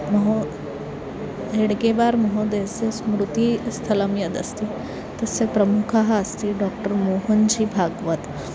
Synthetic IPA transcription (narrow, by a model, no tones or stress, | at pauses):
məɦo | ɦeɽɡeʋaɾməɦod̪esesmɾut̪ist̪ʰələmjəd̪əst̪i | t̪əsepɾəmukʰaɦaəst̪iɖɔkʈəɾmoɦənd͡ʑibʱaɡʋət̪